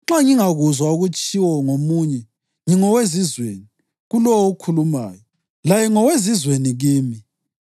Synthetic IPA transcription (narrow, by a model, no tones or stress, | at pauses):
ŋ͡ǁaŋiŋaɣuzwauɣut͡ʃʼiwɔŋomuːɲɛ | ŋiŋɔwezizwḛni | ɣulɔwoukʰuluma̰ːjɔ | lajɛŋɔwezizweniɣiːmi